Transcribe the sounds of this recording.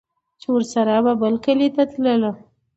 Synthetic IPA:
t͡ʃewəɾsaɾababəlkəlet̪at̪ləlo

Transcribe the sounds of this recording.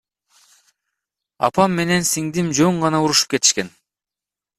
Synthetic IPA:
ɑ̰pɑmːe̞ne̞nsiŋd̪imd͡ʒøɴʁɑnɑuɾuʃu̥p̚ke̞t̪i̥ʃke̞n

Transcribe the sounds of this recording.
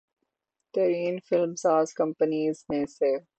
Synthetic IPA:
t̪ɐɾiːnfɪlmsaːzkɐ̃mpəniːzmẽse

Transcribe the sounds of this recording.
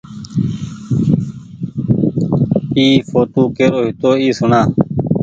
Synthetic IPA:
iːfoːt̪oːkeːɾoːɦɪt̪oːiːsʊnaː

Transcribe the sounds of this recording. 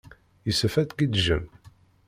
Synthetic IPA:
isəfæt̪kid̪ʒə̰n

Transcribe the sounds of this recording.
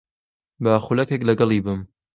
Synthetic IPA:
baxulɐkeklɐɡɐlˠiːbɨm

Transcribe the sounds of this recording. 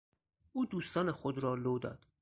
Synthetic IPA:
uːd̪uːst̪ɒːnexod̪ɾɒːloːd̪ɒ̰ːd̪̥

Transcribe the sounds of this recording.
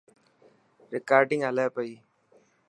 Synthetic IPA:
ɾɪkaːɾɖɪŋɐləːpɐi

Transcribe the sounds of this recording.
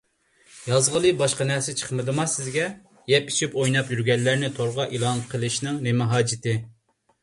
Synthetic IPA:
jɑzʁəlˠɨbɑʃqɑnɛɾsɛt͡ʃʰə̥χmɨd̪ɨmɑsɪzɡʲɛ | jɛpit͡ʃʰipojnɑpjyɾɡʲɛnːæɾnɪt̪ʰoɾʁɑʔilˠɑnqʰəlˠɨʃnɪŋnɪmɪɦɑːd͡ʒɪt̪ʰɪ

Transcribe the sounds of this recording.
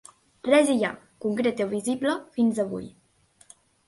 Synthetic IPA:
rɛziʎa̰ | kuŋkɾet̪eβizibləfinzaβṵj

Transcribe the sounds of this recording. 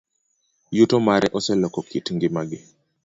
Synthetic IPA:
jutomaɾʔɛʔɔsɛlɔkɔkʰitŋɡɪmaɡɪ

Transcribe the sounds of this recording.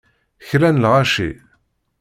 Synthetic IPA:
çɾænlʁaʃḭ

